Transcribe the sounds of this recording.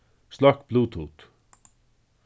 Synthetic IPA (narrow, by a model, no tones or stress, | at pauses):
st̪akbluːt̪ʰhuːt̪